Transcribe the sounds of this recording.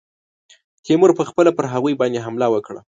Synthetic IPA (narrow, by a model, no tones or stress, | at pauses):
t̪imʊɾpəxpəlapəɾɦaɣujbɑnd̪eɦamlawəkɽa̰